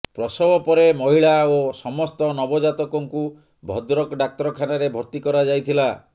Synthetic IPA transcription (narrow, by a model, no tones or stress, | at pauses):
pɾɔsɔbɔpɔɾemɔɦiɭaosɔmɔst̪ɔnɔbɔd͡ʒat̪ɔkɔŋku | bʱɔd̪ɾɔkɖak̚t̪ɔɾɔkʰanaɾebʱɔɾt̪ikɔɾad͡ʒajt̪ʰila